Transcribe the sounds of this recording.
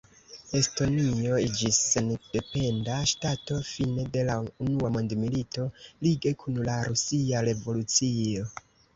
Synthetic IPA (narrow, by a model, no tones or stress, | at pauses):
e̞sto̞nio̞id͡ʒisːend̥e̞pe̞ndaʃtato̞fine̞de̞launuamo̞ndmilito̞liɡe̞kʰunlaɾusiaɾe̞vo̞lut͡sio̞